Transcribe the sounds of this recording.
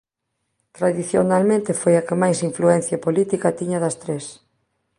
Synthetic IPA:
t̪ɾaðiθjonalmẽnt̪ɪfojɐkɪmajsiɱfluɛn̟θjapolit̪ikɐt̪iɲɐðɐst̪ɾes

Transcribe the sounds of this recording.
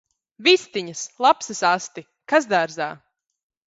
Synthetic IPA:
vist̪iɲɐslˠapsɨsast̪i | kazd̪aɾzaː

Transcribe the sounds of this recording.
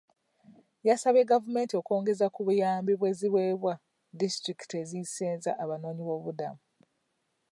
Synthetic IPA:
jasaβe̞ɡavume̞ːntio̞ko̞ːŋɡe̞zakuβujaːmbiβwe̞ːziβwe̞ːβwa | distɾiki̥te̞ziseːnzaʔaβano̞ːɲiβo̞ːβuda̰mu

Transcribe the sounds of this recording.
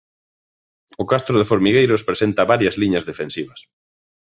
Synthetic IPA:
ʊkast̪ɾʊðɪfoɾmiɣejɾʊspɾesent̪ɐβaɾjɐzliɲɐzðefẽnsiβɐs

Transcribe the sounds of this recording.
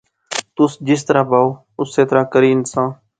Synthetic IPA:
t̪ʊsd͡ʒɪst̪əɾaːbaːoː | ʊsːeːt̪əɾaːkəɾiːnsãː

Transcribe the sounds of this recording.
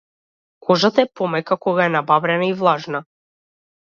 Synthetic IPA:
kʰɔʒat̪aɛpɔmɛkakɔɡaɛnababɾɛnaivlˠaʒna

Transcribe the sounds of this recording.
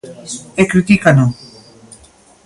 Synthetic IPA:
ekɾit̪ikano

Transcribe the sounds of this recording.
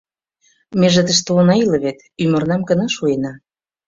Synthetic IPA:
meʒə̆t̪ə̆ʃt̪oonɑilə̆βet̪ | ymə̆rnɑmkə̆nɑʃuenɑ

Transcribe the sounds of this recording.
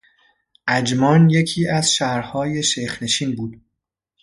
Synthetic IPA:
ʔæd͡ʒmɒːnje̞cʰiːʔæzʃæɾhɒːje̞ʃejxne̞ʃiːnbuːd̪̥

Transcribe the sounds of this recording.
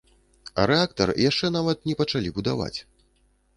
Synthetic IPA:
ɐɾɛakt̪ɐ̰rjaʂt͡ʂɛnavɐt̪nʲɛpɐt͡ʂalʲibud̪ava̰t͡sʲ

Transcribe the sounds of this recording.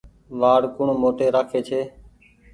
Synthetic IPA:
ʋaːɽkʊɳmoːʈeːɾaːkʰeːt͡ʃʰeː

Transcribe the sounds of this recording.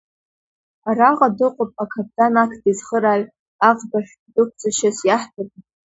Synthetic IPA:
araʁʼadɨqʷʼʊpʼakʰap̚ʰʼdanakʰdizχəɾaʕ | aʁbaʃᶣ | dɨkʷʰt͡sʼaʃasjaħpʰab

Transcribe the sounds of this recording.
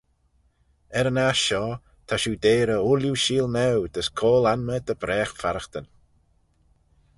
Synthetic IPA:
ɛɾənaʃɔ | t̪ʰaʃuːd̪eːɾəʊljuʃiːlˠnɛwd̪əskʰoːlanməd̪əbɾɛːxfaɾəxt̪ən

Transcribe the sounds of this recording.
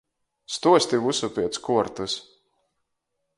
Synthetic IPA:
st̪uɔsʲt̪ʲivusupʲiɛt̪skuɔɾt̪us

